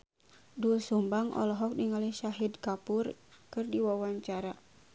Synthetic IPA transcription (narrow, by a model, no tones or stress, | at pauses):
dulsumbaŋʔɔ̰lɔɦɔk̚diŋaliʃaɦidkapurkɨrdiwawaɲt͡ʃaɾa